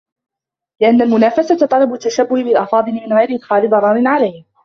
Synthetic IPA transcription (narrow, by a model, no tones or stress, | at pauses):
lɪʔanːalmʊnaːfasat̪t̪ˤɑlɑbʊt̪ːaʃabːʊhɪbɪlʔɑfɑːd̪ˤɨlɪmɪnɣajɾɪʔɪd̪xaːlɪd̪ˤɑɾˤɑːɾɪnʕalajh